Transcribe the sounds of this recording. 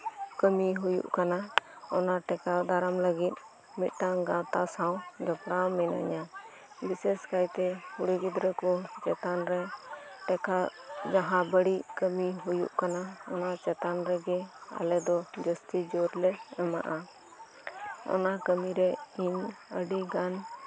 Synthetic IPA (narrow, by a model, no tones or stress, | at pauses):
kəmiɦujṵʔkanaɔnaʈɛkad̪aɾamləɡit̪̚ | mit̪̚ˀʈaɡãt̪asawd͡ʒapɽawmɛna̰ɲa | bisɛskajt̪ɛhuɽiɡid̪ɾɛkɔt͡ʃɛt̪anɾɛʈɛkad͡ʒaɦãbəɽiʔkəmiɦujṵʔkanaɔ̰nat͡ʃɛt̪anɾɛɡɛa̰lɛd̪ɔd͡ʒəst̪id͡ʒɔɾlɛɛma̰ʔa | ɔ̰nakəmiɾɛiɲəɖiɡan